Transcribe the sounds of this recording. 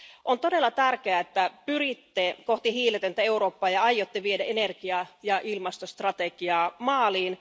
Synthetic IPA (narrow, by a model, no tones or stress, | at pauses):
ʔont̪odelːɑt̪ærk̟eæet̪ːæpyrit̪ːekoht̪ihiːlet̪ent̪æeuɾoːpːɑːjɑɑjot̪ːeʋiedæenerɡiɑjɑʔilmɑst̪ost̪rɑt̪ekiɑːmɑːliːn